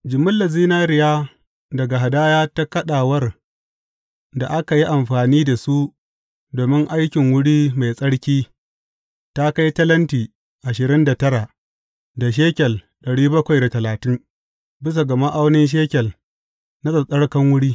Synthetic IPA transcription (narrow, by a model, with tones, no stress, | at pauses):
d͡ʒɪ˨mʊ˦lːɐ˨ziː˦naː˦ɾɪ˨jaː˦ | dɐ˨ɡa˨ɦa˨daː˦jaː˦ta˦kɐ˦ɗaː˨wɐ˦r | da˨ʔa˦ka˨ji˦ʔa˨mɸaː˨niː˦da˨su˦ | doː˨mɪ˦ŋʔa˦jkʲɪ˨ŋwʊ˦ɽiː˦ma˨jsʼɐ˦ɽkʲiː˦ | ta˦ka˦jtɐ˦lɐ˦ntiː˨ | ʔa˨ʃɪ˨ɾɪ˦nda˨tɐ˦ɾaː˨ | da˨ʃ̬eː˦kʲɛ˨l | ɗɐ˨ɽiː˦bɐ˦kʷa˨jda˨tɐ˨laː˨tɪ˦ŋ | bɪ˦s̬a˨ɡɐ˨ma˦ʔa˦wnɪ˦nʃ̬eː˦kʲɛ˨l | na˦sʼɐ˨sɐ˦ɽkɐ˦ŋwʊ˦ɽiː˦